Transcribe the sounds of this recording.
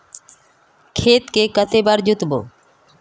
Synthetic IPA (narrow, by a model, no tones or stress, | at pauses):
kʰet̪kekət̪ebaɾd͡ʑut̪bo̰